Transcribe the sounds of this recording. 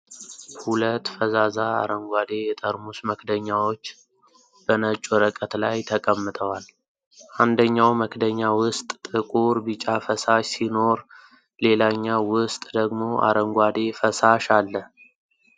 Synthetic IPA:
hulət̪ːfəzazaa̰ɾəŋɡʷad̪e̞jɛt̪ʼəɾmusməkʰd̪əɲːawo̞t͡ʃː | b̥ənət͡ʃʼːuɾəkʼət̪lajt̪ʰəkʼəmːɨt̪ʼəwal | ʔand̪əɲːawməkʰd̪əɲːawʊst̪ʼːɨkʼuɾbɨt͡ʃʼafəsaʃsino̞ɾ | le̞laɲːawʊst̪ʼd̪əɡmo̞ʔa̰ɾəŋɡʷad̪e̞fəsaʃalːəh

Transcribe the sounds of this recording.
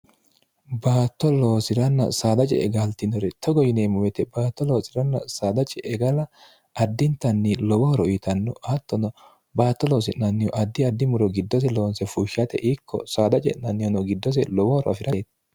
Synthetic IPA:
baːt̪ːɔlo̞ːsɪɾɐnːɐ̰saːd̪ɐt͡ʃʼɛ̰ɛɡalt̪ɪnɔɾɛt̪ʰɔɡɔjɪneːmʊwɛt̪ɛbaːt̪ːɔloːsɪɾɐnːɐ̰saːd̪ɐt͡ʃʼɛʔɛɡɐlɐ | ʔɐd̪ːɪnt̪ɐnːɪlɔwɔhɔɾɔit̪ɐnːɔɐt̪ːɔnɔ | baːt̪ːɔloːs̬ɪʔnɐnːɪjɔʔɐd̪ːɪɐd̪ːɪmʊɾɔɡɪd̪ːɔs̬ɛloːnsɛfuːʃɐt̪ɛ̰ʔiːkʰːɔ̰saːd̪ɐt͡ʃʼɛ̰ʔɐnːɪjɔnɔɡɪd̪ːɔs̬ɛlɔwɔhɔɾɔʔɐfɪɾɐt̪

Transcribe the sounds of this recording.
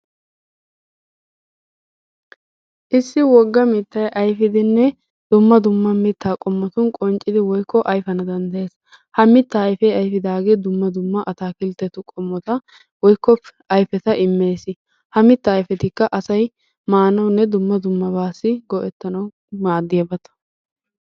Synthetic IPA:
ʔɪsːɪwɔɡːɐmɪt̪ːɐjʔɐjfɪd̪ɪnːɛ | d̪̥ʊmːɐd̪ʊmːɐmɪt̪ʰːaːkʼɔmːɔt̪ʊnkʼɔnt͡ʃʼːɪd̪ɪwɔjkʰːɔʔɐjfɐnɐd̪ɐnd̪ɐjeːs | hɐmɪt̪ːɐːjfɛjɐjfɪd̪aːɡeːd̪ʊmːɐd̪ʊmːɐʔɐt̪aːkɪlt̪ːɛt̪ʊkʼɔmːɔt̪ɐ | wɔjkːɔpː | ɐjfɛt̪ɐʔɪmːe̞ːsɪ | hɐmɪt̪ːɐːjfɛt̪ɪkːɐʔɐsɐj | maːnɐwnːɛd̪ʊmːɐd̪ʊmːɐbaːsːɪɡɔʔɛt̪ːɐnɐw | maːd̪ːɪjɐbɐt̪ɐ̥

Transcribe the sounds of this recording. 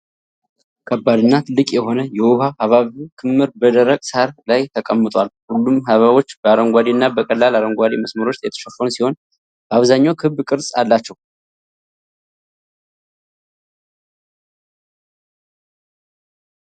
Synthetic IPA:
kʰəbːad̪ɨnːat̪ʰɨlːɨkʼjɛho̞nəjɛwuhahaβaβikʰɨmːɨɾbəd̪əɾəkʼshaɾlajt̪ʰəkʼəmːɨt̪ʼwalhulːumɦaβaβo̞t͡ʃːb̥əaɾəŋɡʷad̪inːabəkʼəlːalaɾəŋɡʷad̪eməsməɾo̞t͡ʃt̪jɛt̪ʰə̥ʃɛfənsiho̞n | b̥əaβzaɲːawkʰɨβːkʼɨɾsʼa̰lːat͡ʃːɛw

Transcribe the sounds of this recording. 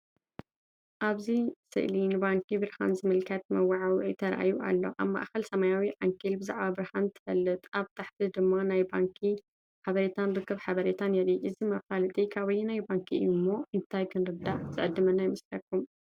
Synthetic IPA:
ʔaβzisɨ̰ʔlinɨbaŋkʰibɨɾha̰nzɨmɨlkʰɐt̪̚mɐwaʕawʕit̪ʰɐɾʔa̰juʔa̰lːo̞̰ʔa̰βma̰ʔxɐlsɐmajawiʕaŋkʰilbɨza̰ʕbabɨɾhant̪ʰɨ̥fɐlːɨt̪ʼaβt̪ʰaħt̪ʰɨd̪ɨmːanajbaŋkʰi | ħaβɐɾet̪ʰanɾɨkːɐβħaβɐɾet̪ʰanjɛɾiʔɨzimɐfalɨt̪ʼikʰaβɐjinajbaŋkʰimːo̞ʔɨnt̪ʰajkʰɨnɾɨd̪aʕz̥ɨʕɨd̪ːɨmɐnajmɨslɐkːum

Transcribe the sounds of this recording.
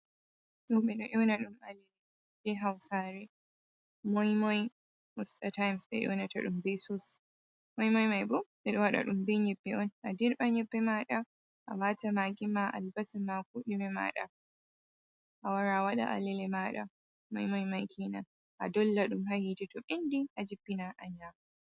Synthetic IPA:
ɗɔɓɛɗɔʔɔwnaɗumalɛlɛ | bɛɦawsaːɾɛ | mɔjmɔj | ɔstatajmsɓɛ̰ʔɔ̰nata̰ɗumbɛsɔs | mɔjmɔjmajbɔɓɛɗɔwaɗa̰ɗumbɛɲɛbːɛɔnʔadiɾɓaɲɛbːɛmaɗa | ʔa̰waːtamaːɡimaʔa̰lbasɛmak̚uɗimɛma̰ːɗa̰ | ʔawaɾaːwaɗa̰ʔa̰lɛlɛmaɗa̰ | mɔ̰jmɔjmajkʰina | ʔa̰dɔlːaɗumɦahid͡ʒɛtɔʔindiʔad͡ʒibːinaʔaɲaː

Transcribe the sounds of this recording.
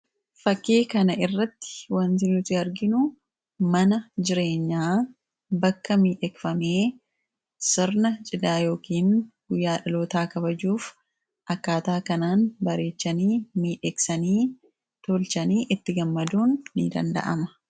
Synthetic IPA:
fɐkːeːkɐnɐʔɪrːɐt̪ːɪ̥wɐnt̪ɪnuːt̪ɪɐɾɡɪnʊ | mɐnɐd͡ʒɪɾe̞ːɲːaː | bɐkːɐmiːᶑɛkfɐmeː | sɪɾnɐt͡ʃʼɪd̪aːjo̞ːkiːnɡ̥ʊjːaːᶑɐloːt̪aːkɐbɐd͡ʒuːf | ʔɐkːaːt̪aːkɐnaːnbɐɾe̞ːt͡ʃːɐniːmiːᶑɛksɐniː | t̪olt͡ʃɐniːʔɪt̪ːɪɡɐmːɐd̪uːnːɪ̰d̪ɐ̰nd̪ɐ̰ʔɐ̰mɐ̥

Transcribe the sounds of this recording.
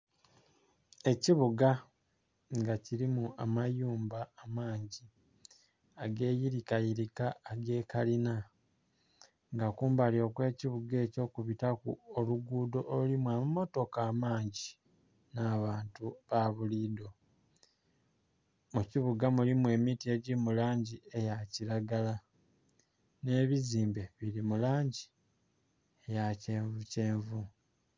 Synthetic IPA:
e̞ciβuɡa | ŋɡaciɾimuamajuːmbaːmaːɲɟi | aɡe̞ːjiɾikajiɾikaːɡe̞ːkalina | ŋɡakuːmbalio̞kwe̞ːciβuɡe̞ːco̞ːkuβitakṵoluɡuːdo̞ʔːlimwaːmumo̞to̞kaːmaːɲɟi | naβaːntuβaβuliːdo̞ | muciβuɡamulimwe̞ːmitie̞ɟimulaːɲɟie̞jaciɾaɡala | ne̞ːβiziːmbe̞βiɾimulaːɲɟi̥ | ejace̞ːɱvuce̞ːɱvu

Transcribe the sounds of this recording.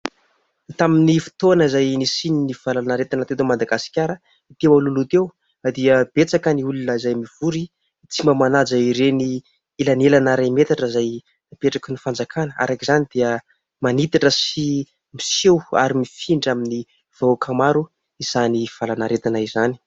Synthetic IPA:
t̪aminifi̥t̪onəizajnisininiv̥alanaɾet̪anat̪et̪omad̪aɡasi̥kʲaɾə | it̪ewalulut̪ew | d̪iəb̥et͡sakəniulunəizajmiv̥uɾi | t͡simamanad͡zaiɾeni | ilanelanaɾamet̪aʈ͡ʂəizaj | peʈ͡ʂakənifand͡zakʰanəa̰ɾakizanid̪̥iə | manit̪aʈ͡ʂəsi | misewa̰ɾimifiɳɖ͡ʐamini | v̥akʰamaɾu | iz̥aniv̥alanaɾet̪anaizani̥

